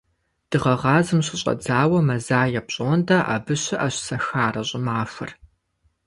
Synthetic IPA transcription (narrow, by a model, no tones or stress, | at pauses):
d̥ɨʁɐʁɑːzɨmɕɪɕʼɐ̰d͡zaːwɐmɐzaːjɛpɕʼoːndaʔa̰bɨɕɪʔɐɕsɐxaːrɐɕʼɪmaːfɨ̰r